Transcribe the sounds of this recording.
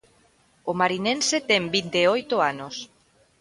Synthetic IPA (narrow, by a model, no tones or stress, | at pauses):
omaɾinẽnset̪ɛmbint̪eojt̪oanos